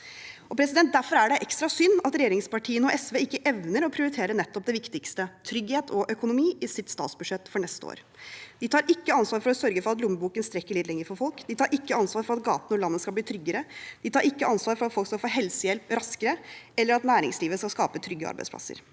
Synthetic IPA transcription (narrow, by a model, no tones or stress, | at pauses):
ɔpʰɾɛsɪd̪ɛnt̪̚d̪æɾfɔɾæɖɛʔɛkst̪ɾɑsʏnːɑt̪ɾɛjeːɾɪŋspɑʈʰiːənɔʔɛsʋeːɪkːəʔɛʋnəɾɔpʰɾɪʊɾɪt̪ʰeːɾənɛt̪ːɔp̚d̪ɛʋɪkt̪ɪkst̪ət̪ʰɾʏɡheːt̪ʰɔʔœkʊnʊmiːɪsɪt̪st̪ɑ̰ːt̪sbʉd̪ʂɛt̪ːfɔɳɛst̪əo̰ːɾ | d̪ɪt̪ʰɑːɾʔɪkːəɑnsʋɑːɾfɔɾɔsœɾɡəfɔɾɑt̪lʊmːəbuːkənst̪ɾɛkːəɭɪːd̪lɛŋːəɾfɔɾfɔlkd̪ɪt̪ʰɑːɾʔɪkːəɑnsʋɑːɾfɔɾɑt̪̚ɡɑ̰ːt̪nɔlɑnːəskɑbliːt̪ʰɾʏɡəɾəd̪ɪt̪ʰɑːɾʔɪkːəɑnsʋɑːɾfɔɾɑt̪fɔlkskɑfoːɦɛlsəjɛlpɾɑskəɾəɛlːəɾɑt̪næːɾɪ̰ŋsliːʋəskɑskɑːpət̪ʰɾʏɡːəɑ̰ɾbæ̰spʰlɑ̰sə̰ɾ